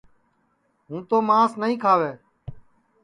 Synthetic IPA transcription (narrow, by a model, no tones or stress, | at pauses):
ɦũːt̪oːmaːsnəɦĩːkʰaːʋeː